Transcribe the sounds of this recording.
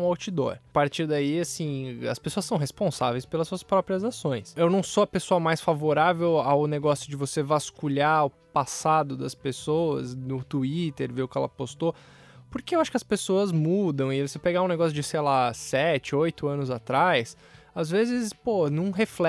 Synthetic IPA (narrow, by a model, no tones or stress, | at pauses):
awt͡ʃid̪o̰ɾpaɾt͡ʃiɾd̪aiasĩɐ̰spesoɐsɐ̃w̃ɦespõsavejspelɐsuɐspɾɔpɾiɐzasõj̃sewnɐ̃w̃soɐpesoɐmajsfavoɾavewaʊneɡɔsjʊd͡ʒɪvosevaskuʎaʊ | pasad̪ʊd̪ɐspesowɐznʊt̪uit̪eɾveʊkɪɛ̰lɐ̰post̪o | poɾkeewaʃʊ̥kɪɐspesoɐzmud̪ɐ̃w̃ɪvosepeɡaũneɡɔsjʊd͡ʒɪsejlasɛt͡ʃɪojt̪ʊɐ̃nʊzat̪ɾajs | azvezɪsponɐ̃w̃ɦeflɛ